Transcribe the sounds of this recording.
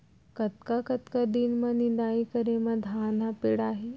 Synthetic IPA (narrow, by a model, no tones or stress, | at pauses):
kət̪kakət̪kad̪inmənind̪aikəɾeməd̪ʱaːnapeɽaːɦe